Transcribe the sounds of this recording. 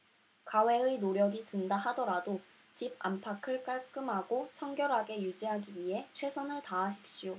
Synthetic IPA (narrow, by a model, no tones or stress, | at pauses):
kawe̞ɯinoɾjʌɡitɯndaɦadʌɾado | t͡ɕib̚a̰mpʰakʰɯɭk͈aɭk͈ɯmɦaɡot͡ɕʰʌŋɡjʌɾɦaɡe̞jud͡ʑiɦaɡiɥiɦe̞t͡ɕʰwe̞sʰʌnɯɭtaːɕʰi̥p̚ɕ͈ijo